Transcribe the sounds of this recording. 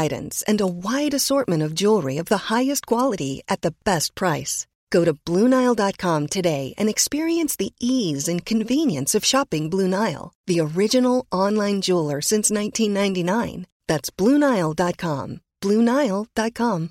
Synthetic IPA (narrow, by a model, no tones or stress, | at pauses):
ɪɾ̰̃n̩z̥ɨ̰̃nəwaɪɾɨsɔɹt̚mɨ̃ɾ̃ʌvd͡ʒulˠɹiʌvðəhaɪɨstkʰw̥ɑlˠəɾiʔɨt̪̚ðɨb̥ɛst̚pʰɹ̥aɪs | ɡ̥oʊɾɨblũnaɪlˠdɑt̚kʰɑ̃mtʰɨdeɪʔɨ̰̃nɨkspɪɹiɨ̃nsðiʔizɨ̃nkʰɨ̃ɱvĩnjɨ̃nsʌv̥ʃɑpɪ̃ŋblũnaɪl̩ˠðiə˞ɪd͡ʒɨnl̩ˠɑ̃nlãɪ̃nd͡ʒulˠə˞sɪ̃nsnãɪ̃ntʰĩnːãɪ̃ntinãɪ̃n | ðætsb̥lũnaɪl̩ˠdɑt̚kʰɑ̰̃mb̥lũnaɪl̩ˠd̥ɑt̚kʰɑ̃m